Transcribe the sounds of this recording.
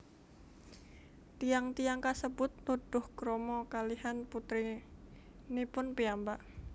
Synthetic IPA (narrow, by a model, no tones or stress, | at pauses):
t̪ijaŋt̪ijaŋkasəbʊt̪̚nud̪̥ʊhɡ̥ɾɔmɔkaliɦanput̪ɾi | nipʊnpiambaʔ